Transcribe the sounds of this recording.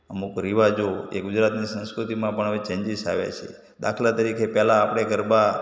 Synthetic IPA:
əmukɾiʋad͡ʒoḛɡʊd͡ʒɾat̪nisə̃nskɾut̪imãpəɳəʋet͡ʃə̃ɲd͡ʒiʃa̰ʋjḛt͡ʃʰḛ | d̪a̰kʰlat̪əɾikʰepɛlaːpɽ̃eɡəɾba

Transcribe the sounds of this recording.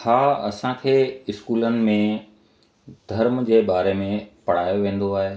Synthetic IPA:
haːɐ̰sãkʰeːɪskuːlənɪ̆mẽ | d̪ʱɐɾmd͡ʑeːbaːɾemẽpɐɽ̤aːjoʋẽːn̆d̪oaːɦeː

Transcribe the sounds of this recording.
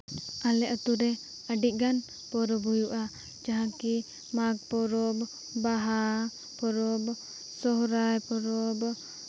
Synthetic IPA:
alɛʔɔt̪uɾɛ | əɖiˀɡan | pɔɾɔbɦujuʔa | d͡ʒaɦãki | maɡ̚pɔɾɔb | baɦa | pɔɾɔb | sɔɦɾajpɔɾɔb

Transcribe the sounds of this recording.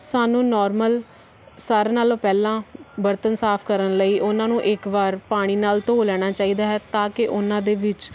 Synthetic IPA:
saːnũːnɔːɾməl | saːɾnaːlõːpɛːlãːbəɾt̪ənsaːpʰkəɾənləiːʔʊnãːnũːʔɪkʋaːɾpaːɽ̃iːnaːlt̪oːlɛːɽ̃aːt͡ʃaːiːd̪aːɦɛːt̪ãːkɪʔʊnãːd̪eːʋɪt͡ʃ

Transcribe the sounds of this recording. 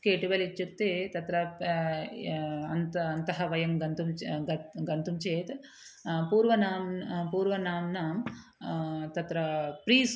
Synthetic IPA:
keːʈiʋɐlit͡ʃːukt̪eːt̪ɐt̪ɾɐ | ɐnt̪ɐɐnt̪ɐɦɐʋɐjɐmɡɐnt̪um | ɡɐnt̪umt͡ʃeːt̪ | puːɾʋɐnaːmpuːɾʋɐnaːmnaːm | t̪ɐt̪ɾɐpɾiːs

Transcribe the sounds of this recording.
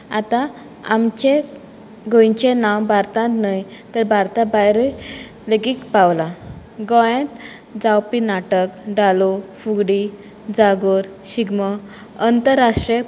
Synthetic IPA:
at̪ã | amt͡ɕe | ɡʱõjɲt͡ɕenawbʱaɾt̪ãt̪najt̪əɾbʱaɾt̪abajɾi | ləɡiːkpawla | ɡɔjẽt̪ | d͡zawpinaʈəkɖalofuɡɽi | d͡zaɡoɾ | ɕiɡmə | ənt̪əɾːaʂʈɾie

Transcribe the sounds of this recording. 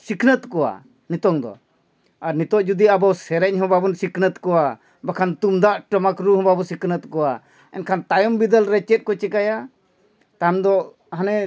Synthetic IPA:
sikʰnət̪kɔwa̰ | nit̪ɔŋd̪ɔ̰ | aɾnit̪ɔʔd͡ʒud̪iabawsɛɾɛc̚ɦɔ̃babɔnsikʰnət̪kɔwa | bakʰant̪umd̪aʔʈəmakɾuɦɔ̃babɔsikʰnət̪kɔwa | ɛ̰nkʰant̪ajɔmbid̪əlɾɛt͡ʃɛt̪̚kɔt͡ʃɛkaja | t̪amd̪ɔ | ɦanɛ

